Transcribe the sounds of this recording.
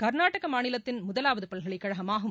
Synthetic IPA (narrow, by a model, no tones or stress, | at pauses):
kɐɾnaːʈɐɣɐmaːnɪlɐt̪ːɪnmʊðɐlaːʋɐðɯpɐlɣɐɭɐɪkːɐɻɐɣɐmaːɣɯ